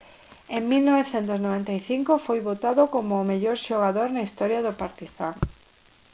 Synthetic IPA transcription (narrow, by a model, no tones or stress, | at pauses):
eŋmilnoβeθent̪oznoβent̪ajθiŋkofojβot̪aðokomoːmeʎoɾʃoɣaðoɾnaist̪ɔɾjaðʊpaɾt̪iθaŋ